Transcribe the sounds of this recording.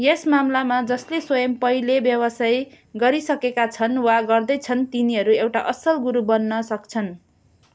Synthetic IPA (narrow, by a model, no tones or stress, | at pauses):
jesmamlamad͡zʌsleswʌjʌmpʌilebjʌwʌsaj | ɡʌɾisʌkekat͡sʰʌnwaɡʌrd̪ʌjt͡sʰʌnt̪iniɦʌɾuewʈaʔʌsʌlɡuɾubʌnːʌsʌkt͡sʰʌn